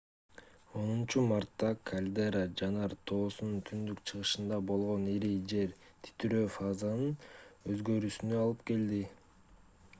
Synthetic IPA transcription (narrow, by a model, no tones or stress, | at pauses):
o̞nunt͡ʃumaɾt̪ːɑkʰalʲd̪eɾad͡ʒɑnɑɾt̪ʰo̞ːsununt̪ʰynd̪ykt͡ʃʰɯʁɯʃɯnd̪ɑbo̞lˠʁo̞niɾid͡ʒe̞ɾ | t̪ʰi̥t̪yɾøfazanɯnø̞zɡø̞ɾysynøɑlˠɯpke̞ld̪i